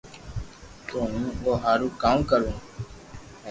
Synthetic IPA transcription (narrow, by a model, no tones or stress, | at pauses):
t̪oːɦũːoːɦaːɾũːkaːmkəɾũː